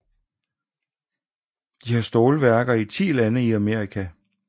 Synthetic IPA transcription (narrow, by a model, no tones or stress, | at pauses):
d̥ihɑsd̥o̝ːləʋæɐɡ̥ɐit͡sʰḭːlænəiæmeɐʁikʰæ